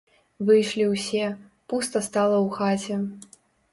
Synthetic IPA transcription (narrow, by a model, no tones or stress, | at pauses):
vɨjʂlʲiwsʲɛ | pust̪ɐst̪alˠɐwxat͡sʲɛ